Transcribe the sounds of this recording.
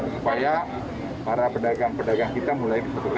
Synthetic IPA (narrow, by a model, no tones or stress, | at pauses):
supaja | paɾapədaɡaŋpədaɡaŋkit̪amulajkəsat̪uk